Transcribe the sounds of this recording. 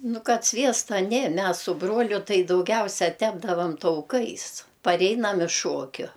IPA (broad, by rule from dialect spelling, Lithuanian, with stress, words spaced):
ˈnʊ ˈkɐt ˈsʲʋʲiɛstɐ ˈnʲeː ˈmʲɛs sʊ ˈbruɔlʲʊ ˈtɐɪ dɐʊˈɡʲɛʊsʲɛ ˈtʲæːbdɐʋɐm tɐʊˈkɐɪs pɐˈrʲɛɪnɐm ɪʃ ˈʃuɔkʲʊ